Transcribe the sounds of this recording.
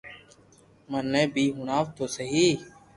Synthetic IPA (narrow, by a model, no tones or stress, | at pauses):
mənːẽːbʱiːɦʊɳaːʋt̪oːsəɦiː